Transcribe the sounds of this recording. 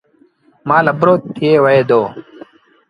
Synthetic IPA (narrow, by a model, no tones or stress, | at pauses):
maːlɐbɾoːt̪ʰːieːwɐeːd̪oː